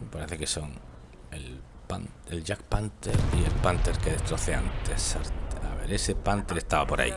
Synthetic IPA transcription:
paɾeθeke̞so̞ŋ | el | pan | elʝakpant̪eɾielpant̪eɾke̞ðest̪ɾo̞θeant̪esaɾtaβḛɾesepant̪eɾe̞st̪aβapo̞ɾʔa̰ḭ

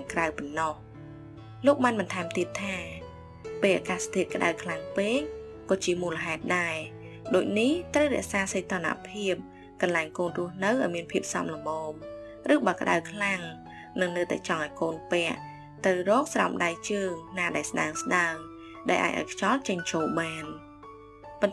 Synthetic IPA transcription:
ŋkrawpɔnːɑh | loːk̚ɓaːnɓɑnt̪ʰaɛmt̪iət̪ʰːaː | peːlʔa̰ːkaːst̪ʰiət̪̚kə̆ɗa̰wkʰlaŋpeːŋ̚ | kɑːt͡ɕiəmuːləɦaɛt̪̚ɗaɛ | ɗoːc̚niht̪rəwrɛ̆əʔsaːsəjt̪oːna̰pʰiəp̚ | kɑnlaɛŋkoːnrʊ̆əhnɨwʔaɔjmiənpʰiəp̚sɑ̰mləmɔːm | rɨːɓaːkə̆ɗa̰wkʰlaŋ | nɨŋnɨːt̪a̰ɛt͡ɕɑŋʔaɔjkoːnpɛəʔ | t̪ɨwrɔːk̚sra̰wmɗajt͡ɕəːŋnaːɗaɛlsɗa̰əŋsɗaəŋ | ɗa̰ɛlʔa̰ːj̚ʔa̰ɔjkʰt͡ɕɑlt͡ɕəɲt͡ɕoːlɓaːn | pont̪

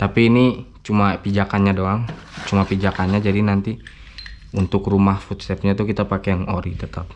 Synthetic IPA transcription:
t̪apiːnit͡ʃumapid͡ʒakanɲadoaŋ | t͡ʃumapid͡ʒakanɲad͡ʒadinant̪i | unt̪ʊkrumahfut̪̚sɛp̚ɲat̪ukit̪apakejaŋoɾit̪ət̪ap̚

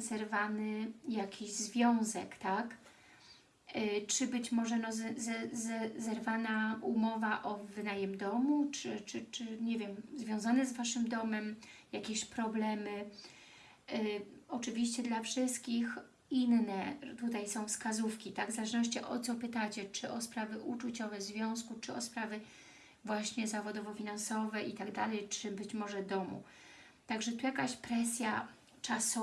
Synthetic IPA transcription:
zɛɾvanɘjakʲʰiʑzvʲjɔ̃w̃zɛkt̪ak | t͡ʂɘbɘt͡ɕmɔʐɛnɔzzɛzɛzɛɾvanaumɔvaʔɔvɘd̪ajɛmd̪ɔmut͡ʂɘt͡ʂɘt͡ʂɘɲɛvʲjɛmzvʲjɔ̃w̃zanɛzvaʂɘmd̪ɔmɛmjakʲeɕpɾɔblɛmɘ | ɔt͡ʂɘvʲiɕt͡ɕɛd̪lafʂɘst̪̚kʲix | inːɛt̪ut̪ajsɔ̃w̃fskazufkʲit̪aɡvzalɛʐnɔʂ̬t͡ɕɛʔɔt̪sɔpɘt̪at͡ɕɛt͡ʂɘʔɔspɾavɘʔut͡ʂut͡ɕɔvɛzvʲjɔ̃w̃skut͡ʂɘɔspɾavɘ | vwaɕɲɛzavɔd̪ɔvɔfʲinansɔvɛʔit̪aɡd̪alɛjt͡ʂɘbɘt͡ɕmɔʐɛd̪ɔmṵ | t̪aɡʐɛt̪ujakaɕpɾɛsʲja | t͡ʂasɔ

